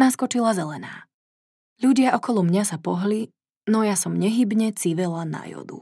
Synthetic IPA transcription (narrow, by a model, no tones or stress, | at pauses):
naskɔt͡ʃilazɛlɛna̰ː | ʎuɟɪaʔɔkɔlˠɔmɲasapɔɦli | nɔjasɔmɲɛɦibɲɛt͡siʋɛlana̰jɔ̰d̪ṵ